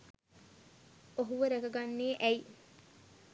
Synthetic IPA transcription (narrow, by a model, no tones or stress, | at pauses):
oɦuʋəɾekɐɡanːeːʔɛj